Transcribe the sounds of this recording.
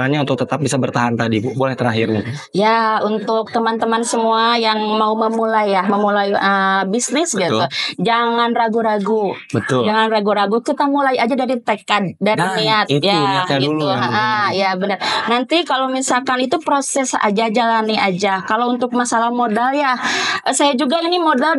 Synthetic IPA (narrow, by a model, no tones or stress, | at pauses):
aɲaunt̪ʊk̚t̪ət̪ap̚bisabərt̪aɦant̪adibbolɛht̪əɾaɦɪrni | jaunt̪ʊk̚t̪əmant̪əmansəmuajaŋmauməmulajːahməmulajəbisnɪsɡit̪ud͡ʒaŋanraɡuɾaɡubət̪ʊld͡ʒaŋanraɡuɾaɡukit̪amulajad͡ʒadaɾit̪əkat̪̚daɾiniat̪̚jait̪uɦaɦəjabənərnant̪ikalomisalkanit̪upɾosɛsa̰d͡ʒad͡ʒalaniad͡ʒakalount̪ʊk̚masalahmodaljaəsajad͡ʒuɡainimodal